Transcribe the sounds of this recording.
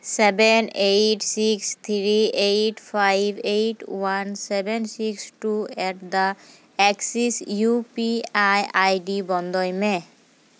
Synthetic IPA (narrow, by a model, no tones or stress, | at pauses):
sɛbɛnejʈsikst̪ʰɹiejʈpʰajbʱejʈwansɛbɛnsiksʈuɛʈd̪a | ɛksisjupiajajɖibɔnd̪ɔjme